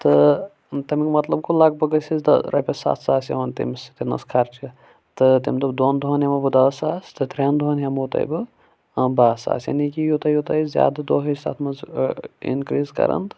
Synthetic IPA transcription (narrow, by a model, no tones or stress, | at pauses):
t̪ɨ | t̪ɐmikmɐt̪lɐb̚kulaːɡ̚bɐɡɐsizd̪ɐ̰ɾʔɐpʲesa̰ːt̪ʰsaːsjɐ̰ʋɐnt̪ḭmst̪inɐ̰skʰaɾt͡ʃi | t̪ɨt̪imt̪ɐbd̪oːnd̪uɦɐnjɐmɐbɨd̪ɐsaːst̪ɨt̪ɾʲand̪ʱuɐnjɐmot̪ɐ̰jbɨ | baːsa̰ːsjɐ̰nikijut̪ɐjut̪ɐjzʲa̰ːd̪ɐd̪oːɦɐsa̰ːt̪ʰmɐzḭnkɾiːzkɐ̰ɾɐ̰nt̪